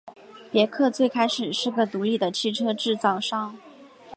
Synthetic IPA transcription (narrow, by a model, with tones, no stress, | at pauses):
pjɛ˧˥kʰɤ˥˧t͡swe˥˩ɪkʰa˥ɪʂɻ̩˨˩ʂɻ̩˥˩ɡə˩t̪u˧˥li˥˩d̪ə˦t͡ɕʰi˥˩ʈ͡ʂʰɤ˥ʈ͡ʂɻ̩˥˧t͡sɑ˥˩ʊʂɑ˥˩ŋ